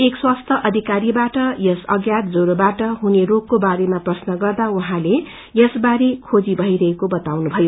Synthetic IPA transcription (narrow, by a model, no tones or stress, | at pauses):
ekswast̪ʰʌʔʌd̪ʱikaɾibaʈʌjʌsʌɡjat̪d͡zoɾobaʈʌɦuneɾokkobaɾemaprʌsnʌɡʌrd̪auɦãle | jʌsbaɾekʰod͡zibʱʌiɾʌɦekobʌt̪awnubʱʌjo